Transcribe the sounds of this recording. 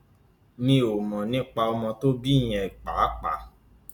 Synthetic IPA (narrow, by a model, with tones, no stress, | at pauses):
nĩ˧o˨mɔ̃˨nĩ˦k͡pa˧ɔ˧mɔ̃˧to˦bi˦˨j̃ɛ̃˧˨k͡pa˨˦k͡pa˨˦